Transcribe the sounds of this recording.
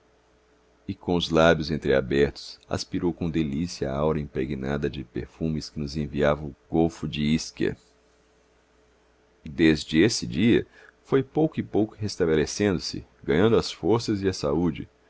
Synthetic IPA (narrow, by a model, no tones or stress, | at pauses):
ɪkõʊzlabjʊzẽnt̪ɾɪa̰bɛɾt̪ʊ̥sa̰spiɾowkõd̪elisiɐa̰awɾɐĩpɾeɡina̰d̪ɐd͡ʒɪpeɾfũmɪskɪnʊzẽviavɐ̃ʊɡowfʊd͡ʒɪiskɐ̰ | d̪ezd͡ʒɪesɪd͡ʒiɐ̰ | fojpowkʊɪpowkʊ̥ɦest̪ɐbelesẽnd̪ʊsɪ̰ɡɐ̃ɲɐ̃nd̪ʊɐsfoɾsɐzɪɐsaud͡ʒɪ̰